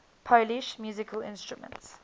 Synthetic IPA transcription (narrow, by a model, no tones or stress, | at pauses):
pʰoʊliʃmjuːzɪkʰəlɪ̰̃nstɹ̥umə̰̃nts